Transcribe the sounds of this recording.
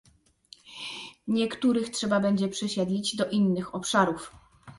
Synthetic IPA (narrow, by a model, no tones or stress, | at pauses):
ɲɛkt̪uɾɘxtʂɛbabɛɲd͡ʑɛpʂɛɕɛd̪lʲid͡ʑd̪ɔʔinːɘxɔpʂaɾuf